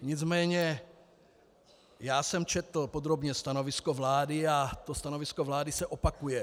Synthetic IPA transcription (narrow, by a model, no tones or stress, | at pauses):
ɲɪd͡zmɛːɲɛ | jaːsɛmt͡ʃɛt̪l̩pod̪ɾo̞bɲɛst̪ano̞vɪskovlaːdɪat̪o̞st̪ano̞vɪsko̞vlaːdɪsɛʔopakujɛ